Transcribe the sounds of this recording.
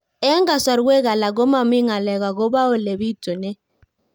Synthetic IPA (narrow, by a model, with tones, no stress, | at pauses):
ɛ˦ŋɡa˨sa˨ɾwɛ˦ɣa˨la˨ɡo˦ma˨mi˦ŋa˨lɛ˨ɣa˨ɡo˦ba˦o˨le˨βi˦to˨nɛ˦